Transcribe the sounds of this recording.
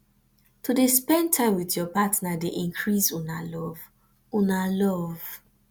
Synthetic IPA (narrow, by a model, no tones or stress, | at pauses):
tudespɛ̃ntʰãɪ̃mwitjɔpatnadeʔĩŋkʰɹisũnalɔv | unalɔv̥